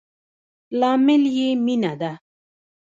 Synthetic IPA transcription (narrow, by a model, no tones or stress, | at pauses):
laːmɪljeminad̪a